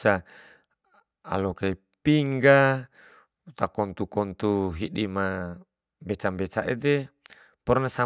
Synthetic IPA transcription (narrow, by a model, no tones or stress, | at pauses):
a | a̰lokai | piŋɡa | ut̪akɔnt̪ukɔnt̪uɦiɗima | mbet͡ʃambet͡ʃaʔḛt̪e | pɔrnasa